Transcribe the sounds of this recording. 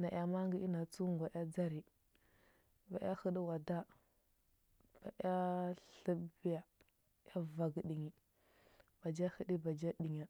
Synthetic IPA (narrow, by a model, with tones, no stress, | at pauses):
na˨ʔja˨ma˦ŋɡi˦ʔi˦na˨t͡su˦ŋ˨ɡʷa˨ʔa˦d͡za˦ɾi˨ | ba˨ja˦xə˦ɗi˦wa˨da˦ | b̥a˨ʔa˦ɬə˦bi˦ja˨ | ja˦va˨ɡɗi˨ŋi˨ | b̥a˨d͡ʒa˦hə˦ɗi˦ba˨d͡ʒa˦ɗi˨ɲa˨